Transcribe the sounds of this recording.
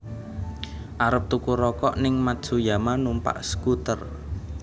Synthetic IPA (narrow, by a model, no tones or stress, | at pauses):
ʔaɾəp̚t̪ukuɾɔkɔʔnɪŋmad̥ʒ̥ṳjamanumpa̰ʔsə̥kut̪ər